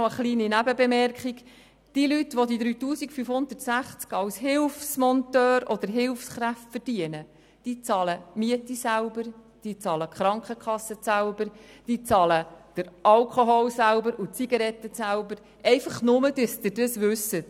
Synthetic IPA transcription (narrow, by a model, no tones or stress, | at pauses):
oəχliːninæbəbɛmɛrkχik | d̥iːlytʋɔd̪id̪ɾyːtuːsikfyfhʊnd̪ətsæχt͡skɑwshɪlfsmɔntœːɾɔd̪əɾɦɪlfsχɾæftfərd̥iənə | d̥iːt͡sɑːləmiətisælbəɾd̥iːt͡sɑːləχɾɑŋkəkχɑsːət͡sælb̥əɾd̥iːt͡sɑːləd̥əɾɑlkχoɦɔlsælbəɾut͡siɡɑɾɛtːəsælbəɾ | ʔɛɪfəχnʊməd̥̪yst̪ɪdəsʋʉsːə